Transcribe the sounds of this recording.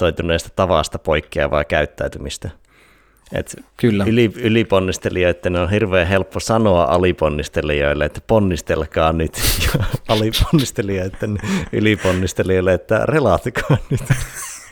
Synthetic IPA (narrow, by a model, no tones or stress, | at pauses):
oit̪uneˑːst̪æ̥t̪ɑʋɑ̰st̪ɑpoikːiɑ̰ʋɑ̰ˑikæyt̪ːæyt̪ymist̪æ | ḛt̪kylːæyliyliponːist̪elioiet̪ːeneonhirʋeːɦelpːosɑnoɑ̰ʔɑliponːist̪elio̰ilːeet̪ːæ̥ponːist̪elkɑːnyt̪jɑɑlipo̥nːist̪elioit̪ːeny̰liponːist̪elioˑilːeet̪ːæ̰relɑt̪ikʰɑːnyt̪